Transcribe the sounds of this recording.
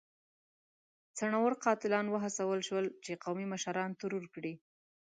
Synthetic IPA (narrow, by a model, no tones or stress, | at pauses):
t͡saɳawəɾqɑt̪ɪlɑnwəɦasawəlʃwəlt͡ʃeqawmimaʃaɾɑnt̪ʊɾuɾkɽi